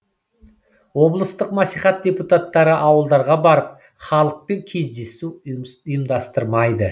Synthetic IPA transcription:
wo̞blˠəst̪əqmɑsijχɑt̪̚d̪ʲe̞put̪at̪ːɑɾəʔɑwəlˠd̪ɑɾʁɑbɑɾəp̚ | χɑlˠəq̚pe̞ŋkʲʰe̞zd̪e̞sujəmd̪ɑst̪əɾmɑjd̪ə

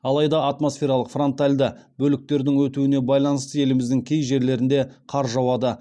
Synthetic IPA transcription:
ɑlˠɑjd̪ɑːt̪mo̞sfʲe̞ɾɑlˠəqfro̞nt̪alʲd̪əbɵlɪk̚t̪e̞ɾd̪ɪŋwɵt̪uɪne̞bɑjlˠɑnəst̪əe̞lɪmɪzd̪ɪŋkʲʰe̞jʒe̞ɾle̞ɾɪnd̪e̞qʰɑɾʒɑwɑd̪ə

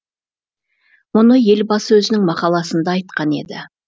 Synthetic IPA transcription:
mʊnəje̞lbɑsəwɵzɪnɪŋmɑqɑlˠɑsənd̪ɑːjt̪̚qɑne̞̰d̪ɪ

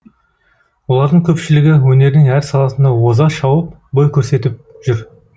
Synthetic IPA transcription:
wo̞lˠɑɾd̪əŋkʲʰɵpʃɪlɪɡʲɪwɵne̞ɾnɪŋæɾsɑlˠɑsənd̪ɑwo̞zɑʃɑwəp̚ | bojkʲʰɵɾse̞t̪ɪp̚ʒ̥ʏɾ

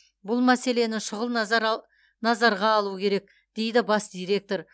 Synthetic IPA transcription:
bʊlˠmæse̞le̞nɪʃʊʁəlˠnɾ | nɑzɑɾʁɑːlˠukʲʰe̞ɾe̞k̚ | d̪̥e̞jd̪ɪbɑsd̪ijɾe̞k̚t̪o̞ɾ

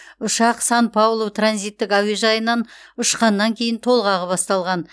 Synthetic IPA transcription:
ʊʃɑqsɑnpʰɑwlˠowt̪ʰranzijt̪ːɪkæweʒɑjənɑnʊʃqɑnːɑŋkʲʰe̞jɪnt̪ʰo̞lˠʁɑʁəbɑst̪ɑlˠʁɑn

